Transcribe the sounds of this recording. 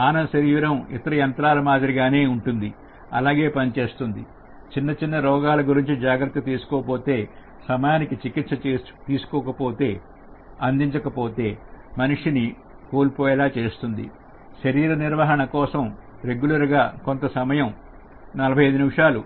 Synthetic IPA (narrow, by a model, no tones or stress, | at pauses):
aːnɐʃɐɾiːʋiɾɐmḭt̪ɐɾɐjɐnt̪ɾaːlɐmaːd̪ɐɾiɡaːne̞ːuɳʈund̪i | ɐ̰laːɡe̞ːpɐnit͡ʃeːst̪und̪ḭ | t͡ʃinːɐt͡ʃinːɐɾɔːɡaːlɐɡuɾiɲt͡ʃid͡ʒaːɡɾɐt̪ːit̪iːsu̥kɔːpo̞ːt̪e̞ː | sɐmɐjaːnikit͡ʃikit̪sɐt͡ʃːt̪iːsu̥kɔːkɐpoːt̪e̞ː | ɐnd̪iɲt͡ʃɐkɐpo̞ːt̪e̞ːmɐnuʂini | koːlpoːjɐlaːt͡ʃe̞ːst̪und̪ḭ | ʃɐɾiːɾɐniɾʋɐɦɐɳɐkɔːsɐm | ɾe̞ɡjulɐɾɡaːko̞nt̪ɐsɐmɐjɐm | nɐlɐbʱɐjɐjd̪unimʂaːlu